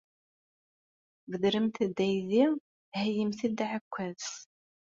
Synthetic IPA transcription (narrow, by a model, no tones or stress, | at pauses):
vəðɾəmθəd̪ːæjði | həjəmθid̪ʕəkʷːæðs